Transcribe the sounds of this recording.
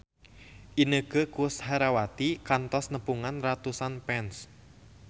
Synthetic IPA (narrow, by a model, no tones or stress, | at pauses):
ʔinəɡ̥əkʊshaɾawat̪ikant̪ɔsnəpuŋanrat̪usanpɛns